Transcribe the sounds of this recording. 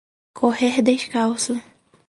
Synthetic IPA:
kʰohehd̪eʃkawsʊ

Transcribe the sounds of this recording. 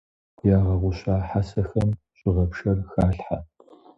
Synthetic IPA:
jaːʁɐʁʷʊɕaːħasɐxɐm | ɕʼɪʁɐpʂɐrxaːɬħa

